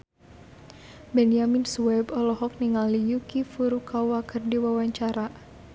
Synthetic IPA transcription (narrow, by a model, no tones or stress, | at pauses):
bɛnjaminsuwɛbɔlɔɦɔk̚niŋalijukifuɾukawakərdiwawaɲt͡ʃaɾa